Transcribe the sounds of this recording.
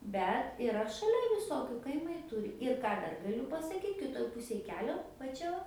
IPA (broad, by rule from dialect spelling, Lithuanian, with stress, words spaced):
ˈbʲɛt ɪˈrɐ ʃɐˈlʲɛ ʋʲɪˈsoːkʲʊ kɐɪˈmɐɪ ˈtʊrʲɪ ɪr ˈkɑː ˈdɐr ɡɐˈlʲʊ pɐsɐˈkʲiːt kʲɪˈtoːj ˈpʊsʲeːj ˈkʲæːlʲoː ʋɐ ˈt͡ʃʲɛ ʋɐ